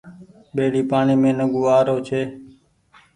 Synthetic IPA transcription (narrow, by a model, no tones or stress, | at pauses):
ɓeːɽiːpaːɳiːmẽːnəɠuːaːɾoːt͡ʃʰeː